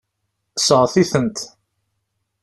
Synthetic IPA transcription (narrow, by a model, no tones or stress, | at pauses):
səʁθiθənt̪